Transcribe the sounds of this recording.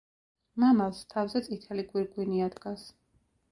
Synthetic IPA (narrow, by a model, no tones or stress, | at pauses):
mamalˠst̪ʰavzɛt̪sʼit̪ʰɛliɡwiɾɡwiniad̪ɡas